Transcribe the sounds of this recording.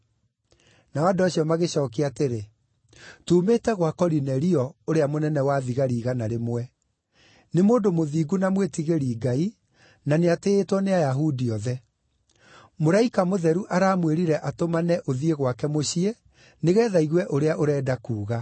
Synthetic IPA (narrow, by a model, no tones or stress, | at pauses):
naɔadoaɕiɔmaɣeɕɔːkeateɾe | tuːmeːtɛɣwakɔɾinɛɾiɔoɾeamonɛnɛwaðiɣaɾiːɣanaɾemwɛ | nemoːndomoðiːɡunamwetiɣeɾiːɡai | naneateːtwɔneajaɦudiɔðɛ | moɾaikamoðɛɾuʔaɾaːmweɾiɾɛʔatomanɛʔoðieɣwakɛmoɕiɛ | neɣɛːðaiɣwɛʔoɾeaʔoɾɛːdakuːɣa